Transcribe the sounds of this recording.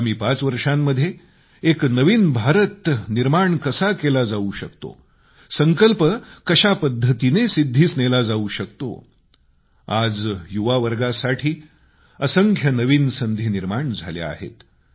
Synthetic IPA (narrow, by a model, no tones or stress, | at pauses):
am̤iːpat͡sʋəɾʂamːəd̪ʱje | eknəʋiːnbʱaɾət̪niɾmaɳkəsakelad͡zauɕəkt̪o̰ | səŋkəlpəkəɕapəd̪ʱːət̪inesid̪ʱːiːsnelad͡zauɕəkt̪o̰ | ad͡zjuʋaʋəɾɡasaʈʰiː | əsəŋkʰjənəʋiːnsənd̪ʱiːniɾmaɳd͡zʱa̰lja̰a̰ɦḛt̪